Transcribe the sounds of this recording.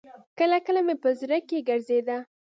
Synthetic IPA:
kəlakəlamepəzɾəkːeɡəɾzed̪a

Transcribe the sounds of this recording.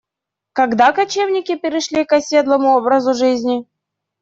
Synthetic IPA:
kɐɡd̪akɐt͡ɕevnʲɪkʲɪpʲɪɾʲɪʂlʲikɐsʲe̞d̪lˠəmʊobɾəzʊʐɨzʲnʲɪ

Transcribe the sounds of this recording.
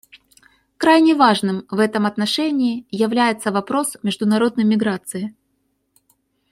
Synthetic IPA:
kɾajnʲɪvaʐnɨmvɛt̪əmɐt̪nɐʂɛnʲɪːjɪvlʲæjɪt̪sːəvɐpɾo̞smʲɪʐd̪ʊnɐɾo̞d̪nəjmʲɪɡɾat̪sɨɪ

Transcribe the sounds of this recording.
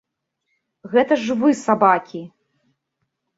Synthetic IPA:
ɣɛt̪ɐʐvɨsabakʲi

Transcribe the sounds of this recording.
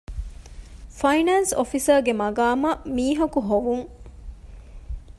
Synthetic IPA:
fɐinaːnsofisɐɡemɐɡaːmɐmiːɦɐkuɦoʋuŋ

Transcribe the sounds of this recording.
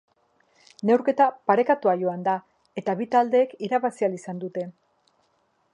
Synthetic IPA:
ne̞wɾke̞t̪apaɾe̞kat̪uaʝo̞and̪a | e̞t̪aβit̪ald̪e̞ːkiɾaβasialisand̪ut̪e̞

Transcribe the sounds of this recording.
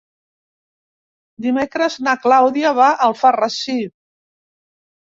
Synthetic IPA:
d̪imekɾəznaklawðiaβaʔəlˠfarəsi

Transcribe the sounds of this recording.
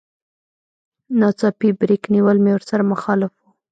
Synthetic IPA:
nɑt͡sɑpibɾikniwəlmewəɾsaɾamʊxɑlɪfu

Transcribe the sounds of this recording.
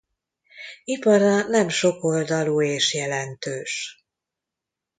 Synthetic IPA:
ipɒɾɒnɛmʃo̞ko̞ld̪ɒluːeːʃjɛlɛnt̪øːʃ

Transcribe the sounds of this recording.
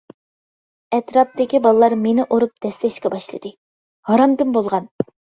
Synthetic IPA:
ɛt̪ɾɑp̚d̪ɪkʲibɑlˠəlˠɑɾmenɪʔoɾup̚d̪̥ɛst̪ɛʃkʲɛbɑʃlˠɨ̰d̪ɨ | hɑɾɑmd̪ɨnbolˠʁɑn

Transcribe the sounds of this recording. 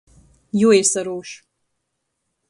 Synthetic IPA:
joesɐɾoːʃ

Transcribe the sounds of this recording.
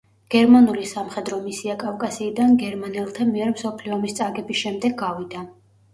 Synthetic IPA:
ɡ̥ɛɾmanulisamχɛd̪ɾɔmisiakʼafkʼasiːd̪anɡɛɾmanɛlˠt̪ʰamiɛɾmsɔpʰliɔmist̪sʼaɡɛbisʃɛmd̪ɛɡːavid̪a

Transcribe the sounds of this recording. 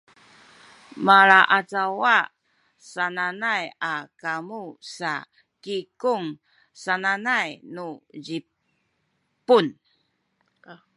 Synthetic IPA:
maɾaʔat͡sawa | sananajakamusa | kikuŋ | sananajnuzi | pun

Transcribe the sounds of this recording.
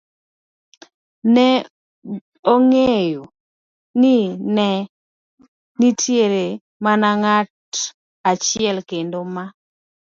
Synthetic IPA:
nɛ | oŋejo | nɪnɛ | nitʰjeɾe | manaŋat | at͡ʃɪɛlkendoma

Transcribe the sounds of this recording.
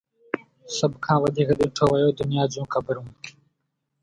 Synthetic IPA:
sɐbkʰãːwɐd̪iːɣɐd̪ĩːʈ͡ʂʰoːwajoːd̪ʊnjɑːd͡zũːkabəɾũː

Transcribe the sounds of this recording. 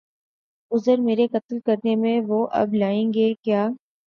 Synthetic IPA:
ʊzəɾmeːɾekət̪lkəɾnemẽʋoːʔɐ̰blaːẽːŋɡeːkjaː

